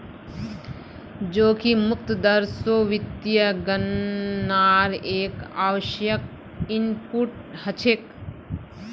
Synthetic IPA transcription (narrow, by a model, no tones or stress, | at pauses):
d͡ʒoːkimʊk̚t̪əd̪əɾsoːʋɪt̪jəɡɐnː | aːɾeːkaːʋəʃjək̚ | inpuʈhɐt͡ʃʰek